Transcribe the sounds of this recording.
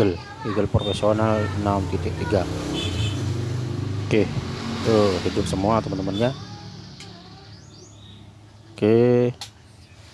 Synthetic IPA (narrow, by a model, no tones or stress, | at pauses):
əl | iɡəlpɾofesionalnamt̪it̪ɪk̚t̪iɡa | kehəhidʊp̚səmuat̪əmənt̪əmənɲa | ke